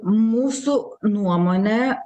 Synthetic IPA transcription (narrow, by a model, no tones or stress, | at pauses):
musu | nuɔmɔnɛ